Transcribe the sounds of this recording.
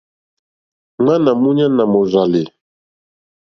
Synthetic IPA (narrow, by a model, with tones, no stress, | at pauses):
ŋ͡ma˦na˨mu˦ɲa˦na˨mo˨za˨lɪ˨